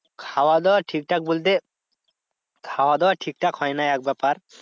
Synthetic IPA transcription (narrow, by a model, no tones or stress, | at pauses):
kʰawad̪ɛwaʈʰik̚ʈak̚bolt̪̬e | kʰawad̪ɛwaʈʰik̚ʈakhɔjnaɛk̚bɛpaɾ